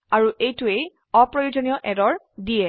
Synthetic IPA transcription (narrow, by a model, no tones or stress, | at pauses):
aɹuʔejtʊej | ɔpɹɔjud͡ʒɔnijɔʔɛdɔɹ | dijɛ